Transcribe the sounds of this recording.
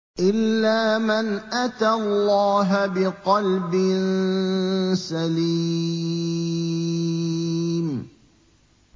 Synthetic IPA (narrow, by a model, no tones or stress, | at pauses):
ʔɪlːaːmanʔat̪allːɑːɦabɪqɑlbɪn | saliː | m